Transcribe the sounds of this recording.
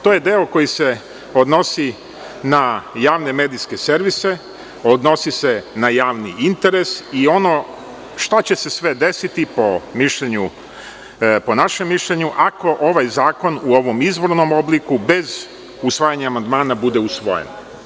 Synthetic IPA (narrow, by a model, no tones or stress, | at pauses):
t̪oje̞d̪e̞oko̞jise̞ | o̞d̪no̞si | najaːʋne̞med̪iske̞se̞ɾʋise̞ | od̪no̞sise̞najaːʋniint̪e̞ɾe̞sio̞no̞ | ʃt̪at͡ɕe̞se̞sʋe̞d̪e̞sit̪ipomiʃʎeɲu | ponaʃemːiʃʎeɲuʔako̞ʔo̞ʋajzaːko̞nuo̞ʋo̞mizʋo̞ɾno̞mo̞blikube̞z | usʋaːjaɲaːmand̪maːnabud̪e̞usʋo̞̰jḛn